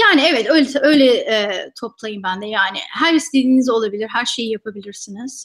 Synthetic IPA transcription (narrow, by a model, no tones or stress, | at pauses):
jaːniɛvɛt̪øjlʲɛø̞jlʲɛɛːt̪ʰo̞plˠajɯmbænd̪ɛjaːnɪ̰hæɾist̪ʰed̪iːnizo̞lˠabilʲiɾɦæɾʃe̞jijapʰabilʲiɾsiniz̥